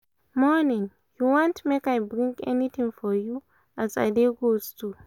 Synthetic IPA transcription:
mɔnĩŋ | juwɔ̃ntmekajbɹĩŋɡɛ̰nit̪ʰĩŋfɔju | aza̰jdeɡoztʰu

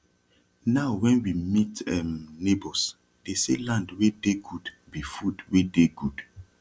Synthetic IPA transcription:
naʊwɛ̃nwimitɛmnebɔs | d̥esḛlãndwedeɡud | bifudwedeɡud̥

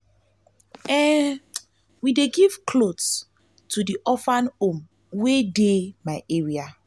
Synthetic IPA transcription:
ɛ | wideɡiv̥kʰlods | tʰudiʔɔfãnõm | wedemaɪʔeɹia

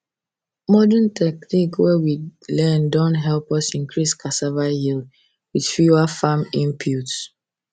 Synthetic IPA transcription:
mɔdɛntʰɛk̚nikwɛwilɛ̃ndɔ̃ntɦɛlˠpɔsĩŋkʰɹiskʰasavahild | wið̥fjuafãmĩmpʰjuts

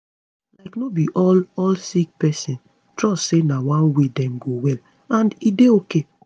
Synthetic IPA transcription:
laɪknobiʔɔlɔlsik̚pɛsĩn | tɹɔstsenawãnwedɛ̃mɡowɛl | ãndideoke

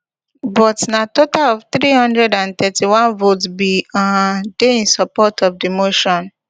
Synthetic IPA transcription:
bɔtnatotalɔvt̪ɾihɔ̃ndɹɛdãnt̪ɛtiwãnvotbiɔdeĩnsɔpɔtʰɔfdimoʃɔ̃n

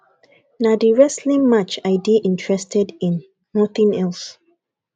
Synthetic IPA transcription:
nadiɹɛslĩmat͡ʃaɪdiʔĩntʰɹɛstʰɛdĩnː | ɔθĩŋɛls

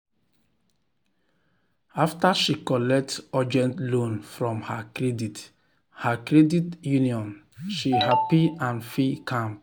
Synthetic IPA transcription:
aftaʃikɔlɛk̚tad͡ʒɛ̃ntlõnfɹɔ̃mhakɹɛdit | hakɹɛditjuniɔ̃n | ʃihapiãnfikʰãmp

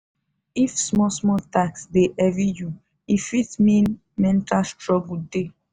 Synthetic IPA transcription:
ifsmɔsmɔtaksdeʔɛviju | ifitmĩn | mɛ̃ntalstɹɔɡude

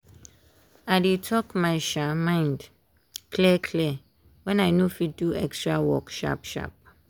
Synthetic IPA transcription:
adetʰɔkmãɪʃamãɪ̃nd | kʰlɛkʰlɛ | wɛ̃naɪnũfiduɛkstɹawɔkʃa̰pʃa̰p̚

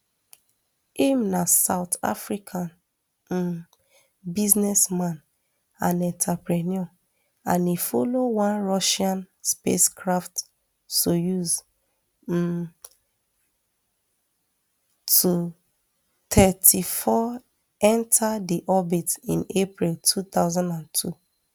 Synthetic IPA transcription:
imnasaʊta̰fɹikʰãn̩ | biznɛsmãn | ãnɛ̃ntʰapɹɛnɔ | ãnifolowãnɹɔʃãn | spḛskʰɹaft | sojuz̩ | tʰu | t̪ʰɛtʰifɔ | ɛ̃ntʰadiʔɔbitḭ̃nepɹiltʰut̪aʊzãndãntʰṵ

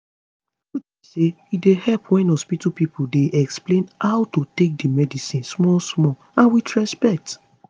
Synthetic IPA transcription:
witise | idehɛlpwɛ̃nɔspitupipudeʔɛksplẽnhaʊtotek̚dimɛdisĩnsmɔlsmɔ | ãnwitɹɛspɛk̚t

